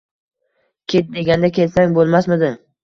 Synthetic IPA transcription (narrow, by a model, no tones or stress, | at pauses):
kʲʰet̪̚d̪e̞ɡʲand̪akʲʰe̞lsaŋbolˠmasmɪd̪ɪ